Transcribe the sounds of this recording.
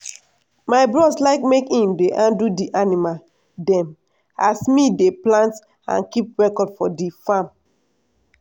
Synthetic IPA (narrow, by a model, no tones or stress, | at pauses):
maɪbɹɔslaɪkmekhĩmdeʔãndudiʔanima | dɛ̃m | asmideplãnt | ã̰nkip̚ɹɛkɔdfɔdifãm